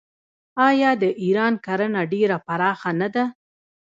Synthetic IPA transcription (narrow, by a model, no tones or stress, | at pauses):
ɑjɑd̪əʔiɾɑnkaɾənaɖeɾapaɾɑxanad̪a